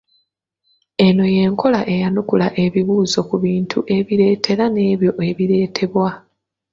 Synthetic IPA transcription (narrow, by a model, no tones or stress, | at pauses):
e̞no̞je̞ːŋkʰo̞laʔe̞janukulaʔe̞βiβuːzo̞kuβiːntʰuʔe̞βiɾe̞ːtʰe̞ɾane̞ːβjo̞ʔe̞βiɾe̞ːtʰe̞βwa